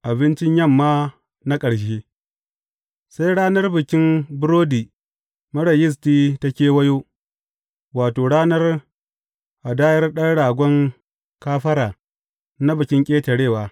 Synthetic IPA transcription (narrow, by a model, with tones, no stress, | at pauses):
ʔa˨bɪ˦nt͡ʃɪ˦ɲjɐ˦˨mːaː˦ | na˦kʼɐ˨ɽʃeː˦ | sa˦jɽaː˦nɐ˦rbɪ˨kʲɪ˦mbʊ˦ɾoː˦diː˨ | mɐ˦ɽɐ˨jɪ˦s̬tiː˦ta˦kʲeː˦wɐ˦joː˦ | waː˨toː˨ɽaː˦nɐ˦r | ʔa˨daː˦jɐ˦rɗɐ˦ɽaː˨ɡʷɔ˦ŋ | kaː˦ɸɐ˦ɾaː˨ | na˦bʊ˨kʲɪ˦ŋkʲʼeː˦tɐ˨ɽeː˦˨waː˨